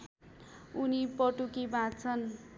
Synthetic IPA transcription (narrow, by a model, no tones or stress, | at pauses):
unipʌʈukibʱãt͡sʰʌn